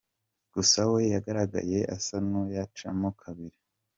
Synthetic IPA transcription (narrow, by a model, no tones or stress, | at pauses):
ɡ̥usawejaɡaɾaɡa̰je̞ʔa̰sanujat͡ʃamokʰaβiɾi